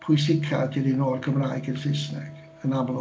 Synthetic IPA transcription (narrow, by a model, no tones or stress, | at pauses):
pʰʊjsɪkʰa̰dɪɾinoːrkʰəmraːjɡənsɪsnɛ̰ɡ̥ | ənablɔ